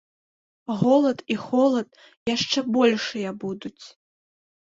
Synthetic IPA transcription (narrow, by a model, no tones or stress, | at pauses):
ɣɔlˠɐt̪ixɔlˠɐt̪̚ | jaʂt͡ʂɛbɔlʲʂɨjɛbud̪ut͡sʲ